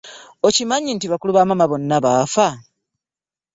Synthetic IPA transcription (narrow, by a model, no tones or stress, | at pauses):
ocimaɲintiβakuluβamamaβo̞nːaβaːfa